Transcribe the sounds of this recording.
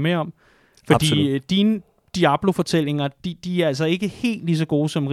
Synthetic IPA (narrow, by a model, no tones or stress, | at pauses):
meɐɒ̽m̰ | fɒ̽d̥ḭːd̥iːnə | d̥iæb̥lo̝fɒ̽t͡sʰel̰e̝ŋɐd̥id̥iæɐæls̬ɐe̝ɡ̥əhe̝̰ːld̥lis̬ɒ̽ɡ̥o̝ːsɒ̽mʁ